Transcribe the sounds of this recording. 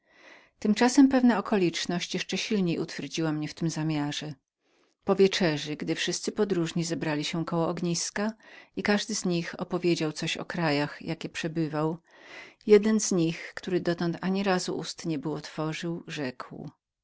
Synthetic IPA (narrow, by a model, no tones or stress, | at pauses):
t̪ɘmt͡ʂasɛmpɛvnaɔkɔlʲit͡ʂnɔɕt͡ɕjɛʂt͡ʂɛɕilɲejut̪fʲjɛɾd͡ʑiwamɲɛft̪ɘmzamʲjaʐɛ | pɔvʲjɛt͡ʂɛʐɘɡd̪ɘfʂɘst̪sɘpɔd̪ɾuʐɲizɛbɾalʲiɕɛkɔwɔɔɡɲiskaikaʐd̪ɘzɲixɔpɔvʲjed͡ʑawt̪sɔɕɔ̰kɾajaxjakʲɛpʂɛbɘvaw | jɛd̪ɛnzɲixkt̪uɾɘd̪ɔt̪ɔnt̪aɲiɾazṵʔust̪ɲɛbɘwɔt̪fɔʐɘwʐɛkw